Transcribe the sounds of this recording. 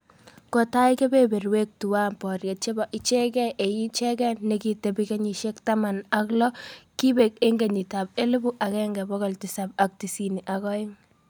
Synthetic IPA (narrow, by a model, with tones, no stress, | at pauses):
kɔ˨ta˦ike˦be˦be˨rwe˦k̚tu˨wa˦mpɔ˨rje˨t̚t͡ʃe˦bɔ˨ʔi˦t͡ʃɛ˦kɛ˦ʔe˨ji˦t͡ʃɛ˦kɛ˦nne˦ki˦te˨bike˦ɲi˨ʃe˦kta˦ma˨na˦klɔ˦ki˦be˨k̚e˦ŋɡe˨ɲi˨ta˨be˦lɪ˦bu˦ʔa˨kɛ˦ŋɡɛ˨bɔ˦ɣɔ˨lti˨sab̚ak̚ti˨si˨ni˨ʔa˨kɔ˦ɪ˦ŋ